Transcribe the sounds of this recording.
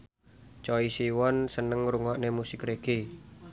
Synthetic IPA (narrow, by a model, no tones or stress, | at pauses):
t͡ʃɔisiwɔnsənəŋɾuŋɔʔnemusɪkreɡe